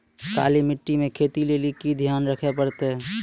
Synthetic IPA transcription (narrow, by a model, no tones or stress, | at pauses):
ka̰ːlimɪʈːimẽkʰeːt̪ileːlikid̪ʱjaːnɾəkʰepəɽt̪eɦɛ̃ː